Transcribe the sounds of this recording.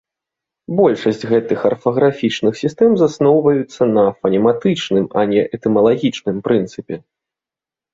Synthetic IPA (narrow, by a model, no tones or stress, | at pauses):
bɔlʲʂɐsʲt͡sʲɣɛt̪ɨxɐrfɐɣɾafʲit͡ʂnɨxsʲist̪ɛmzasnɔwvɐjut̪sːɐnɐfɐnʲɛmat̪ɨt͡ʂnɨmɐnʲɛʔɛt̪ɛmɐlˠaɣʲit͡ʂnɨmpɾɨnt̪sɨpʲɛ